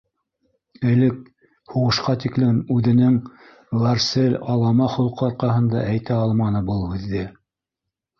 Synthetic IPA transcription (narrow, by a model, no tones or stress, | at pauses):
ɘ̆lɘk̚ | huʁɤ̆ʃqɑt̪iklɘmʉðɘ̆nɘŋ | vɑɾselʲɑlˠɑmɑχŭlˠqʰɤɑɾqɑɦɤ̆nd̪ɑʔæjt̪æɑlˠmɑnɤbɤlˠhʉðːɘ